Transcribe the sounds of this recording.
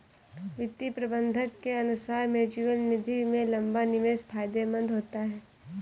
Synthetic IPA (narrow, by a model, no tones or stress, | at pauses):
ʋɪt̪ːipɾɐbə̃nd̪ʱəkːeɐnʊsaːɾmeːd͡ʒɪʋəlnɪd̪ʱimẽlɐ̃mbanɪʋeːspʰaːjd̪emə̃nd̪ɦoːt̪aɦɛː